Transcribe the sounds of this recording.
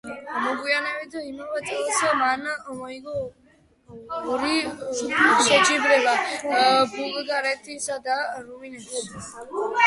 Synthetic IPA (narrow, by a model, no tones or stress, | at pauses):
mɔɡujanɛβid̪ɔimawat̪ʰʼsɔmanamɔiɡɔ | ɔɾi | sɔt͡ʃʼibɾɛla | buɡɡaɾɛt̪ʰisad̪aɾuinɛ